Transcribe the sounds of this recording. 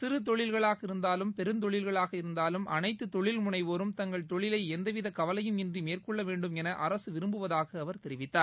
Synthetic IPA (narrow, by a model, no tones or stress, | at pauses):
sɪɾɯt̪̬ɔɭɪlɣɐɭaːɣɐɪɾɯnd̪aːlɯmpɛɾɯnt̪ɔɭɪlɣɐɭaːɣɐɪɾɯnd̪aːlɯmɐ̰nɐɪt̪ːɯt̪ɔɭɪlmʊɳɐɪʋoːɾɯmt̪ɐŋɡɐɭt̪ɔɭɪlɐɪɛnd̪ɐʋɪðɐkɐʋɐlɐjɯmɛndrimeːrkɔɭːɐʋeːɳɖɯmɛnɐʔɐɾɐsɯʋɪɾɯmbɯʋɐðaːɣɐːʋɐɾt̪ɛɾɪʋɪt̪ːaːɾ